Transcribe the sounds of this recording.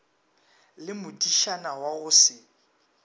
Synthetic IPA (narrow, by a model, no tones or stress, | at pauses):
lɪmʊdiʃanawaɣʊsɪ